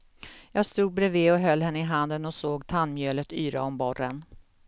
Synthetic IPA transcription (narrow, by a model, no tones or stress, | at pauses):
jɑːɡst̪uːɡ̪̚bɾɛveːɔɦœlːhɛnːəɪɦand̪ənɔsoːɡt̪ʰanːmjøːlət̪yːɾa̰ɔmbɔrən